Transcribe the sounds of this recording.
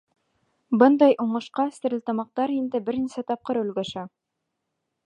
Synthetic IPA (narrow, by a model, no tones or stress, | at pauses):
bɤnd̪ɑjʔuɴɤ̆ʃqɑst̪ɘ̆ɾɘ̆lʲt̪ɑmɑq̚t̪ɑɾind̪ɘbɘ̆ɾnisæt̪ɑp̚qɤɾɵ̆lɡæʃæ